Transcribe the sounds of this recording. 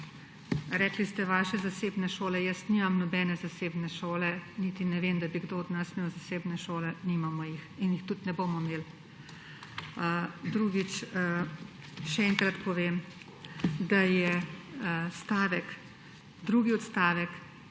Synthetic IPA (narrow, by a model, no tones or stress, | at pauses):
ɾɛːklist̪ɛʋaːʃɛzaseːbnɛʃoːlɛjəsniːmamnɔbɛnɛzaseːbnɛʃoːlɛnit̪inɛʋeːmd̪abiɡd̪oɔd̪nasmeːwzaseːbnɛʃoːlɛniːmamɔjixinjixt̪ut̪nɛbomɔmeːl | d̪ɾuɡit͡ʃ | ʃɛɛŋkɾat̪pɔʋeːm | d̪ajɛ | st̪aːʋɛk | d̪ɾuːɡiɔt̪st̪aːʋɛk